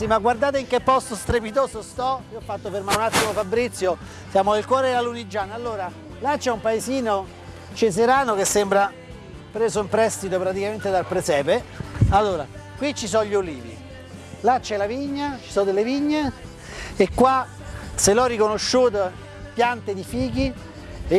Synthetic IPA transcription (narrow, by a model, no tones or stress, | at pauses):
simaɡward̪aːt̪̬eiŋk̟epːɔst̪ost̪ɾepit̪oːzost̪ɔiɔfːat̪ːofermaɾunat̪ːimofabɾit̪sːjo | sjaːmoilkwɔːɾealunid͡ʒːaːnaalːoːɾa | lat͡ʃːɛumpaeziːno | t͡ʃes̬eɾaːnokesːembɾa | pɾeːzoimpɾɛst̪it̪opɾat̪̬ikament̪ed̪alpɾesɛːpealːoːɾa̰ | kwit͡ʃːisɔʎːolḭːvḭ | lat͡ʃːɛlaviɲːat͡ʃi̥sɔd̪elːeviɲːe | ekːwa | selɔrːikonoʃːuːt̪̬o | pjant̪ed̪ifiːki | e